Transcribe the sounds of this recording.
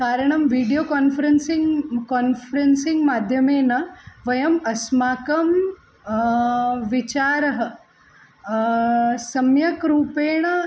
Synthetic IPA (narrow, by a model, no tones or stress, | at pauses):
kaːɾɐɳɐmʋiːɖijoːkaːnfʰɐɾensiŋkoːnfɐɾensiŋɡmaːd̪ʱjɐmeːnɐʋɐjɐmɐsmaːkɐm | ʋit͡ʃaːɾɐɦɐ | sɐmjɐkɾuːpeːɳ̃ɐ